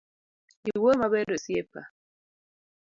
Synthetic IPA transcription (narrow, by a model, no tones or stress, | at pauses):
iwomaβɛɾosiepa